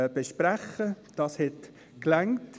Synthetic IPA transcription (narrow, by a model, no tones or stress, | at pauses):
b̥eʃpɾæχə | d̥ɑːshɛt | klæŋt